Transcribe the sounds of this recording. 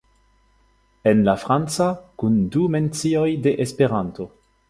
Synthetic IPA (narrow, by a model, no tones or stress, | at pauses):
enlafɾant͡sakundume̞nt͡sio̞jdeʔespeɾanto̞